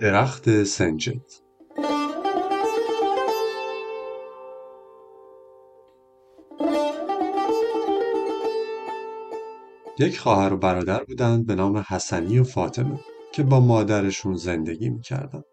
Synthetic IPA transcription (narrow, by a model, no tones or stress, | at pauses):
d̪̥e̞ɾæxt̪ʰe̞send͡ʒḛt̪ | jecʰχɒːhæɾo̞bæɾɒːd̪æɾbuːd̪ænd̪̚be̞nɒːme̞hæsænijofɒːt̪ʰe̞me | cʰe̞bɒːmɒːd̪æɾe̞ʃunze̞nd̪e̞ɟḭːmiːcʰæ̰ɾd̪æ̰nd̪̥